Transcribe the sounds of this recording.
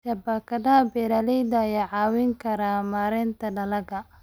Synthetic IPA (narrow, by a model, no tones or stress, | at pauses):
sɐbɐkʰɐdɐɐbɛɾaːlɛjd̪ɐɐjaːʕɑːwɪŋkʰɐɾaːmaːɾɛnt̪ʰɐɖɐlɐɡɐ